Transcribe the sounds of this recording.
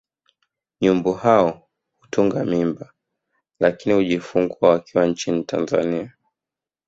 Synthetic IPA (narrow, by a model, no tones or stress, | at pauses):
ɲumbɔhaɔ | hutuŋɡamimba | lakinihuʄifuŋɡuawakiwant͡ʃinitʰa̰nza̰nia